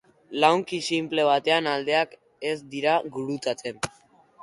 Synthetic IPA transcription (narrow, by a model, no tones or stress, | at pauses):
lawŋkisimple̞β̞at̪e̞anald̪e̞ak | ezd̪iɾaɡuɾut͡sat͡se̞n